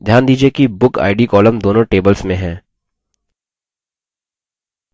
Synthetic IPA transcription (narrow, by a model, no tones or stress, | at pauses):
d̪ʱjaːnd̪iːd͡ʒiekibʊka̰ːɪɖikɔːlə̃md̪oːnõʈeːbəlsmẽɦɛ̃ː